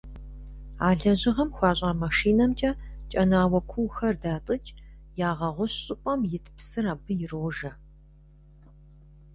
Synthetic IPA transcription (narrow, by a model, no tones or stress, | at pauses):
aːɮɐʑɪʁɐmxʷɑːɕʼaːmaʂiːnɐmt͡ʃʼɐt͡ʃʼɐnaːwɐkʷʰuwxɐrdaːtʼɨt͡ʃʼ | jaːʁɐʁʷʊɕɕʼɪpʷʼɐmjɪtʰpsɨraːbɨjɪroːʒɐ